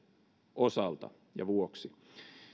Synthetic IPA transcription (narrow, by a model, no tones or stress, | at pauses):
ʔosɑlt̪ɑ̰ | jɑ̰ʋuoksi